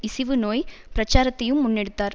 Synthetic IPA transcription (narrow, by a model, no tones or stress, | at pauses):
ɪsɪʋɯnoːjpɪɾɐt͡ʃːaːɾɐt̪ːɐjɯmːʊnːɛɽɯt̪ːaːɾ